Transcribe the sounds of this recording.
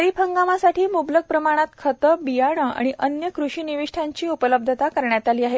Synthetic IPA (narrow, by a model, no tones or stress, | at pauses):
ɾiːpʰəŋɡamasaʈiːmubləɡ̚pɾəmaɽ̃at̪kʰət̪əbijaɽ̃əa̰ɽ̃iʔənjəkɾuʂiːniʋiʂʈʰaɲt͡ɕiːupələb̚d̪ʱət̪akəɾɳjat̪aliːaɦe